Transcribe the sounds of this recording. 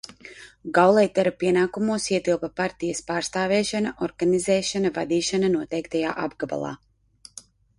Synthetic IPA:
ɡawlˠɛjt̪ɛɾapiɛnaːkumuɔsiɛt̪ilˠpapaɾt̪ijɐspaːɾst̪aːvɛːʃanaʔɔɾɡanizɛːʃanavad̪iːʃananuɔt̪ɛjkt̪aja̰ːʔabɡaba̰lˠa̰ː

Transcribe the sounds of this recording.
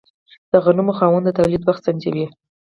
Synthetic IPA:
d̪̥aɣanumoxɑwand̪ət̪awlid̪waxt̪sand͡ʒawi

